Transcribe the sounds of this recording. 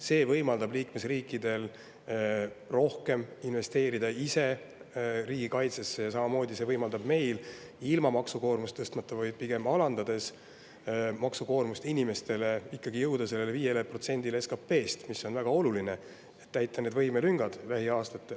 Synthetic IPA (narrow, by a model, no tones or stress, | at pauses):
se̞ːvɤjmɑld̪ɑbliːkme̞sriːkːˑid̪̥e̞l | ro̞hke̞minve̞st̪e̞ːɾid̪ɑise̞ | riːɡ̥ikɑjt̪se̞sːe̞jɑsɑmɑmo̞ːd̪̥ise̞ːvɤjmɑld̪ɑb̥me̞jl | ilmɑmɑksuko̞ːrmust̪ːɤst̪mɑt̪ˑːɑvɑjd̪̥̚piɡ̥e̞mɑlɑnd̪ɑd̪e̞s | mɑksuko̞ːrmust̪inʲime̞st̪e̞le̞ikːɑɡijɤwd̪̥ɑse̞lːe̞leviːje̞lepro̞t̪se̞nʲd̪̥ile̞skɑpːe̞ːst̪misːo̞nvæɡ̥ɑo̞luline̞ | et̪t̪ːæjt̪ːˑɑne̞d̪vɤjmelyŋɡ̥ɑd̪̥læɦiɑːst̪ɑt̪ːe